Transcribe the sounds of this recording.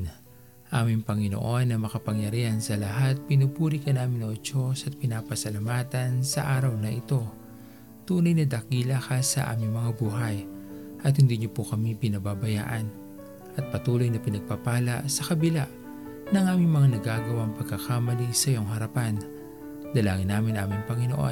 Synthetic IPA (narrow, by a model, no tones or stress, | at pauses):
ʔaːmɪŋpɐŋɪno̰ʔo̞nːɐmɐkɐpɐŋjɐɾihɐnsɐlɐɦat̪̚pɪnupuːɾikɐnaːmɪnot͡ʃosɐt̪̚pɪnaːpɐsɐlɐmaːt̪ɐnsɐʔaːɾɐwnɐʔɪt̪o̞ | t̪uːnɐjnɐd̪ɐkiːlakɐsɐ̰ʔa̰ːmɪŋmɐŋabuːɦɐj | ʔɐt̪̚hɪnd̪iɲopokɐmipɪnɐbabɐja̰ːʔɐn | ʔɐt̪̚pɐt̪uːlo̞jnɐpɪnɐɡ̚papaːlɐ̰ʔsɐkɐbɪlaʔ | nɐŋʔaːmɪŋmɐŋanɐɡaːɡɐwaŋpɐɡ̚kːɐkaːmɐlisɐjoŋɦɐɾɐpan | d̪ɐla̰ːŋɪnːaːmɪnʔaːmɪŋpɐŋɪnoʔo̰